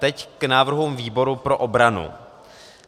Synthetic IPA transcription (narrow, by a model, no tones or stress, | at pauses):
t̪ɛcknaːvr̩ɦumviːbo̞ɾupɾo̞ʔobɾanṵ